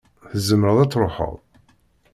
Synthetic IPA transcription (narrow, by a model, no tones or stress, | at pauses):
θəzːəmɾəðˤæt͡sːɾˤoħə̰ðˤ